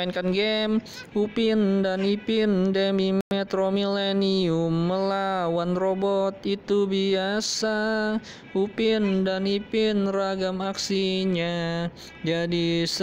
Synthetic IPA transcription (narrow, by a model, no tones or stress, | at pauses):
inkanɡɛm | upɪndanipɪndemiet̪ɾomileniumːəlawanɾobɔt̪̚it̪ubiasa | upɪndanipɪnraɡamaksiɲa | d͡ʒadis